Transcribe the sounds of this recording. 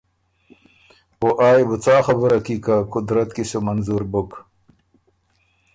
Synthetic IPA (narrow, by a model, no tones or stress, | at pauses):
oʔaːjbut͡saːxɐbəɾɐkikakʊd̪ɾɐt̪kisomɐnzuɾbuk